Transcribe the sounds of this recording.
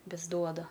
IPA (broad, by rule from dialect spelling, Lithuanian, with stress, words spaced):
ˈʋʲɪs ˈduɔdɐ